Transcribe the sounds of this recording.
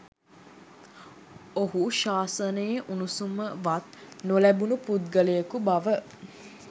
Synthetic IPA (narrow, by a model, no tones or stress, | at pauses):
oɦuʃaːsənəjeʔunusuməʋat̪nolæbunuput̪̚ɡəlejəkubaʋə